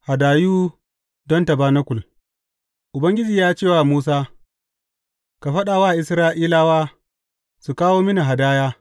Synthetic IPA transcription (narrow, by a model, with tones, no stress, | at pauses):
ha˨daː˨juː˦ | dɔ˦ntɐ˨baː˦nɐ˦kʷʊ˨l | ʔʊ˨bɐ˦ŋɡʲɪ˦d͡ʒiː˨jaː˦t͡ʃeː˦˨waː˨muː˦s̬aː˦ | ka˨ɸɐ˦ɗaː˨waː˦˨ʔɪ˨sɾaː˦ʔiː˦laː˦waː˦ | su˨kaː˦woː˦mɪ˦ni˨ɦa˨daː˦jaː˦